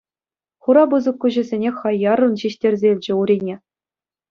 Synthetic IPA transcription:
χuɾɑbɯzɤ̆kːuʑɘ̆zʲenʲexɑjːɑrɤ̆nɕiɕtʲerʲzʲeilʲd͡ʑɘ̆uɾʲinʲe

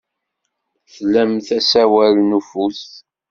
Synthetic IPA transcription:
θlæmθæsæwæɾnufus

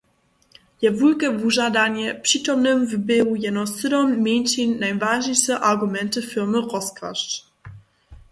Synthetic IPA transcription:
jɛvulkɛvuʐad̪aɲɛpʂit̪ɔmnɘmvbewujɛnɔsɨd̪ɔmmʲjɛnʲt͡ɕinːajvaʐɲɛjʂɛʔaɾɡumɛnt̪ɘfilmɘʁɔska̰ʂ

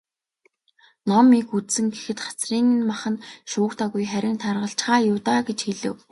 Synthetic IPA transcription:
nɔmikut̪sɘ̆ŋɡexɘ̆t̪χḁt͡sriːnnmaχə̆nʃʊːkt̪ʰaɣujχæɾʲɪ̆nt̪ʰarʁə̆ɬt͡ɕχaːjʊt̪aɡet͡ɕxeɮɘ̰̆w

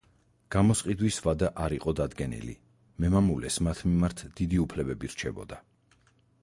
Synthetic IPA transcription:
ɡ̥amɔsqʼid̪wisvad̪aʔaɾiqʼɔd̪ad̪ɡɛnḭlḭ | mɛmamulɛsmat̪ʰmimaɾt̪ʰd̪̥id̪iupʰlɛbɛbiɾt͡ʃʰɛbɔ̰d̪a

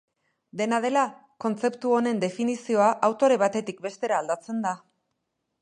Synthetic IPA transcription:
d̪e̞nað̞e̞la | ko̞nt͡se̞pt̪uo̞ne̞nd̪e̞finisio̞aʔawt̪o̞ɾe̞β̞at̪e̞t̪ik̚be̞st̪e̞ɾaːld̪at͡se̞nd̪a

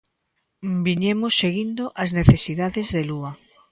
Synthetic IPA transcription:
biɲemosːeɣind̪oʔazneθesiðaðezðelua

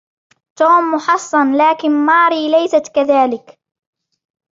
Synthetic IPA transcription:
t̪uːmːʊħɑsˤːɑnlaːkɪnmɑːɾiːlajsat̪kaðaːlɪk

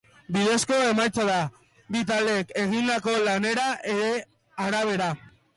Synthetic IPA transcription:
biðe̞sko̞e̞majt͡saða | βit̪̬ald̪eeke̞ɣ̞ind̪ako̞lane̞ɾaʔe̞ɾe̞ | aɾaβ̞e̞ɾa

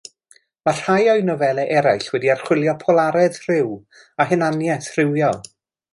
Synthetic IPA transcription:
mar̥hajɔɨnɔvɛlˠɛʔɛɾajɬwɛdiar̥χwɪlˠjɔpʰɔlˠaɾɛð̥r̥ɪw | aɦɨnanjɛθr̥ɪwjɔlˠ

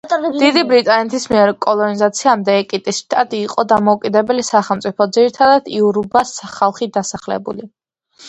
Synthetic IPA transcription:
d̪̥id̪ibɾit̪ʼanɛt̪ʰismiɛɾkʼɔlˠɔnizat̪sʰiamd̪ɛːkʼit̪ʼisʃt̪ʰʼat̪ʼiːqʼɔd̪amɔukʼid̪ɛbɛlisaχɛlˠmt̪sʼipʰɔd̪ziɾit̪ʰad̪ad̪̥iuɾubasχalˠχid̪asaχlɛ̰bṵli

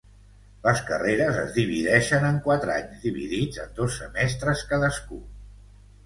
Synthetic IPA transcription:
ləskəreɾəzə̰zðiβ̞iðɛʃənəŋkwat̪ɾa̰ɲzd̪iβiðid͡zə̰nd̪osːəmɛst̪ɾəskaðəsku

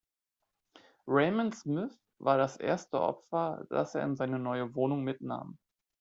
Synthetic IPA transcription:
ʁɛɪmənsmɪθ | vaːɐɾasʔḛːɐstə̰ʔɔ̰pfɐd̥a̰seːɐɪnzaɪnənɔʏəvoːnʊŋmɪtna̰ːm

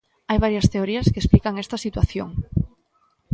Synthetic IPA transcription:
ajβaɾjɐst̪eoɾiaskesplikaŋɛst̪ɐsit̪waθjo̰ŋ

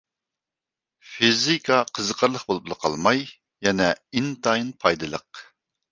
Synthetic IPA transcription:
fizikʰɑqʰəzəqʰəɾlˠəχbolˠup̚lˠəqʰɑ̰lˠmɑj | jɛnɛint̪ɑjnpʰɑjd̪ɨlˠəq

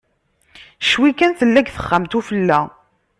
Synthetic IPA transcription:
ʃwikːænθəlːæɡθə̥χːamt̪ufəlːæ

